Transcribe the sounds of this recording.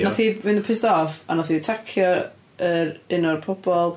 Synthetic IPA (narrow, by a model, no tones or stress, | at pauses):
nɔθivɪndəpʰɪsdɔvanɔθitʰakʰjɔ | əɾɪnɔrpʰɔb̥ɔlˠ